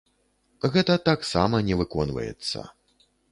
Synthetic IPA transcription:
ɣɛt̪ɐt̪aksamɐnʲɛvɨkɔnvɐ̰jɛ̰t̪sːɐ̰

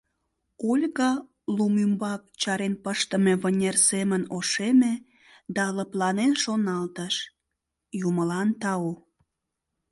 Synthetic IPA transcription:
olʲɣɑ | lumymbɑk̚t͡ɕɑɾenpəʃt̪əmeβənʲersemənoʃeme | d̪ɑləplɑnenʃonɑlt̪əʃ | juməlɑnt̪ɑo

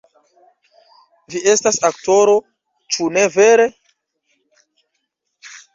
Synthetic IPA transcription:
viʔe̞stasakto̞ɾo̞ | t͡ʃune̞ve̞ɾe

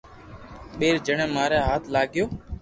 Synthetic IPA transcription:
ɓeːɾd͡ʒəɳẽːmaːɾeːɦaːt̪ʰlaːɠɪjoː

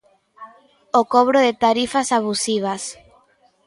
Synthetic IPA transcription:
okoβɾoðet̪aɾifasaβusiβ̞as

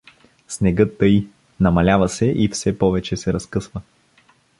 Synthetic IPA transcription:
snɛɡɤt̪ːɤji | nɐmɐlʲavɐsɛʔifsɛpɔvɛt͡ʃɛsɛɾɐskɤsvə

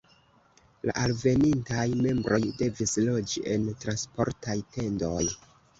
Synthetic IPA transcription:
la̰ʔalve̞nintajme̞mbɾo̞jde̞vislo̞d͡ʒiʔe̞ntɾanspo̞̰ɾtajte̞ndoj

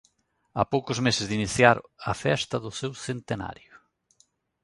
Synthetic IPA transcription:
a̰powkʊzmesɪzðiniθjaɾɐfɛst̪ɐðʊsewsent̪ena̰ɾjʊ

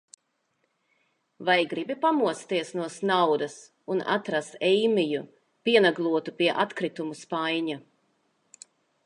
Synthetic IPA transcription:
vajɡɾibipamuɔt̪st̪iɛsnuɔsnawd̪ɐs | una̰t̪ɾast̪ɛjmiju | piɛnaɡlˠuɔt̪upiɛʔat̪kɾit̪umuspajɲa

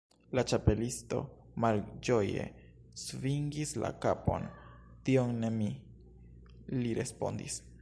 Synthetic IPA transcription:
lat͡ʃape̞listo̞̰ | mald͡ʒo̞je̞̰ | sviŋɡisla̰kapo̞̰n | tio̞ŋne̞mi | liɾe̞spo̞̰ndḭs

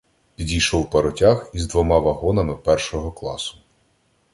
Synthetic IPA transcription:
idʲijʃɔwpɐɾɔtʲaxizd̪ʋɔmɑʋɐɦɔnɐmɪpɛrʃɔɦɔklˠɑ̰sʊ̥

